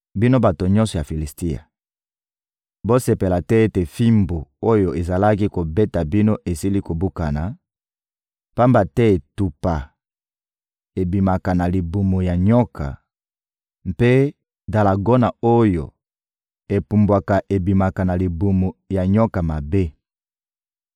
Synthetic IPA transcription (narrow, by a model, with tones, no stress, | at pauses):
bi˦no˦ba˨to˨ɲɔ̃˦nsɔ˨ja˨fi˨li˨sti˦a̰˨ | bo˦se˨pe˨la˨tɛ˦e˦te˨fi˦mbo˨o˦jo˨e˨za˨la˦ki˦ko˨be˦ta˨bi˦no˦ʔe˨si˦li˦ko˨bu˦ka˨na˨ | pa˦mba˨tɛ˦e˨tu˨pa˨ | e˨bi˨ma˨ka˨na˨li˨bu˨mo˨ja˨ɲɔ˦kʰa̰˨ | mpe˦ | da˨la˨ɡo˦na˨o˦jo̰˨ | e˨pu˨mbwa˨ka˨ʔe˨bi˨ma˨ka˨na˨li˨bu˨mo˨ja˨ɲɔ˦ka˨ma˨be˦